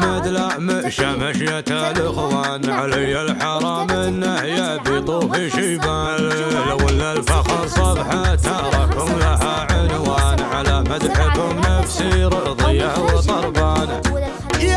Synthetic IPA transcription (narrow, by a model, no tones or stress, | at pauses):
mad̪laʕmaʃamaʃjat̪alɪxwaːnʕalɪjalħɑɾˤɑːmanːahjabit̪ˤuːfiʃimaːllawɪlːalfaxɑɾˤsˤɑbħat̪aɾˤɑkʊmlaɦaʕʊnwaːnʕalamad̪ħabʊmnafsiɾʊʕðˤɨjːawt̪ˤɑɾˤbaːn